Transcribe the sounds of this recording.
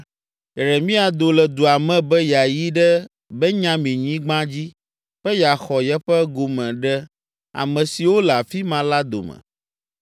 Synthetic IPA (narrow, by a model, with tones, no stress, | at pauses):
ɛ˨ɾɛ˨mĩ˦a˨d̪o˨lɛ˨d̪u˨a˨mɛ̃˦bɛ˦ja˨ji˦ɖɛ˦ | bɛ˦ɲã˦mĩ˨ɲĩ˦ɡ͡bã˦d͡ʑi˦ | ɸɛ˦ja˨xɔ˨jɛ˦ɸɛ˦ɡo˨mɛ̃˨ɖɛ˦ | a̰˨mɛ̃˨si˨wo˦lɛ˨a˨fi˦mã˨la˦d̪o̰˨mɛ̰̃˨